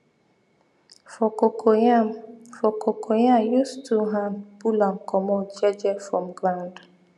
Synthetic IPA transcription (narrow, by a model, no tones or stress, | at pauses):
fɔko | fɔkʰokʰojajustʰuɦanb̥ulaŋ̩kɔmɔd͡ʒɛd͡ʒɛfɾɔmɡɾand